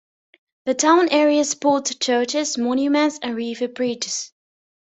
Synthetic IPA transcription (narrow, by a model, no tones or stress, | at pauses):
ðətʰãʊ̃nʔɛːɹiəspʰɔˑtt͡ʃʰɜːt͡ʃɪzmɔnjumə̃ntsə̃nɹiːvəbɹiːˑt͡ʃɪs